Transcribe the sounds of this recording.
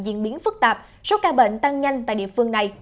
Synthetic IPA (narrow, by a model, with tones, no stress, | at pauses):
zḭ˧˨ənɓi˨˦ənfɨ˦˥k̚t̪aː˨˩p̚ | so˦˥kaː˧ɓḛ˧˨n̟t̪a˧ŋɲa˧jŋ̟t̪a̰˧˨jɗḭ˧˨əfɨ˧əŋna˨˩j